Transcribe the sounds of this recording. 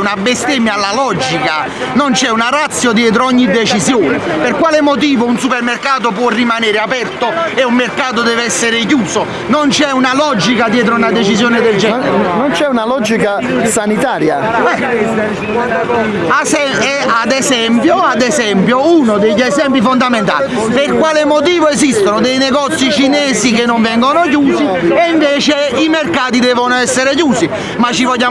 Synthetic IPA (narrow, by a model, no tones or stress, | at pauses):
unabːest̪emalːalɔd͡ʒika | nont͡ʃɛunarat̪sːjod̪jɛːt̪̬ɾoɔɲːid̪ːet͡ʃisjoːnɪpɪrkwaːlɪmot̪̬iːvounsupermerkaːt̪̬op̬wɔrːimanɛːɾɪapɛrt̪oeumːerkaːt̪̬od̪ɛːveɛsːɪɾɪk̬juːso | nont͡ʃɛunalɔd͡ʒikad̪jɛːt̪̬ɾounad̪ɛt͡ʃisjoːnɪd̪eld͡ʒɛnont͡ʃɛunalɔd͡ʒika | sanit̪aːɾja | ɛ | sɛ | ɛad̪ɛsɛmpjoad̪ɛsɛmpjounod̪eʎːɛsɛmpifond̪ament̪̬a̰ːli | perkwaːlemot̪̬iːvoesist̪onod̪ejnɛɡɔt̪sːit͡ʃinɛːsik̬enːoɱvɛŋɡonok̬juːsieiɱveːt͡ʃeimerkaːt̪̬id̪ɛːvonoɛsːeɾek̬juːsi | mat͡ʃːivɔʎːa